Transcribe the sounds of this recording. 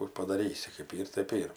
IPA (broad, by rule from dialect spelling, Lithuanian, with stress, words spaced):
kuː pɐdɐˈrʲiːsʲɪ kɜp ˈiːr tɜp ˈiːr